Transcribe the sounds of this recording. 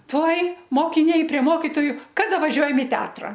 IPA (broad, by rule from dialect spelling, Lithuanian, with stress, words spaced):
ˈtuɔj moːkʲɪˈnʲɛɪ pʲrʲiɛ ˈmoːkʲɪtoːjʊ ˈkɑːdɐ ʋɐˈʒʲuɔjɛm ɪ ˈtʲɛɐtrɐ